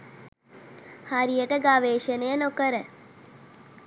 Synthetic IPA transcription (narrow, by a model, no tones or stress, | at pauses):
haɾijeʈeɡaːʋeːʃenenokəɾe